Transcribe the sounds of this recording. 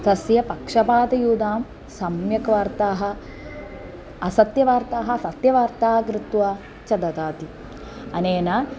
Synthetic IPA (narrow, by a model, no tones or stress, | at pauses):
t̪ɐsjɐpɐkʂɐpaːd̪ɐjuːd̪aːm | sɐmjɐkɐʋɐɾt̪aːɦɐ̆ | ɐsɐt̪jɐʋaːɾt̪aːɦɐsɐt̪jɐʋaɾt̪aːkɾɪt̪ʋaː | t͡ʃɐd̪ɐt̪aːt̪i | ɐneːnɐ